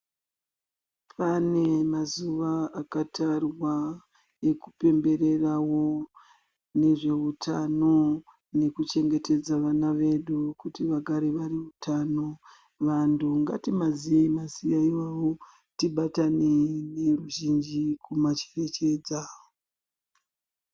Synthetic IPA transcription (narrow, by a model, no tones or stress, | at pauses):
pane̞mazuʋaakatʰarwa | ekupe̞mbe̞ɾe̞rawo̞ | ne̞ʐe̞utʰa̰no̞ | ne̞kut͡ʃe̞ŋɡe̞te̞d͡zaʋanaʋe̞ɗukutiʋaɡʱaɾeʋariutʰano̞ | ʋanduŋɡa̰timazieimasijaiwaʋo̞ | tiɓatanene̞ruʒind͡ʒikumat͡ʃe̥re̞t͡ʃe̞ːd͡za